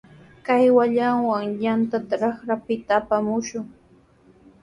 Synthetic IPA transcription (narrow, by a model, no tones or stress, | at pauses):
kajwaʎaŋwaŋjant̪at̪aɾɑχɾapɪt̪aːpamʊʃʊŋ